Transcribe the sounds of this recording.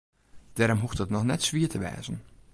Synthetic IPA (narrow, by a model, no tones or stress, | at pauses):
d̥ɛːɾɔmɦuftdɑtnɔχnɛtsʋiːɹtəʋɛ̰ːzən